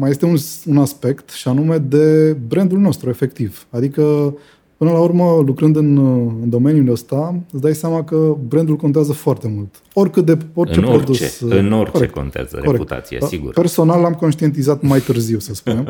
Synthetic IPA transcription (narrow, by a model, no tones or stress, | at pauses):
maje̞st̪eunsunaspe̞kt̪ʃianume̞d̪e̞bɾe̞nd̪ulno̞st̪ɾue̞fe̞k̚t̪ivad̪ikə | pɨnəlaurməlukɾɨnd̪ɨnɨnd̪o̞me̞njuləst̪aɨt̪sd̪ajsamakəbɾend̪ulkot̪eazəfoart̪e̞mult̪ | o̞rʲkɨt̪̚d̪eorʲt͡ʃt͡ʃepɾo̞d̪usɨnkoɾek̚ko̰nt̪zə̰keoɾe̞kt̪a̰iḛiɡṵɾpe̞rso̞nalːamko̞nʃt̪ie̞nt̪̬izat̪majt̪ɨrziwsəspunem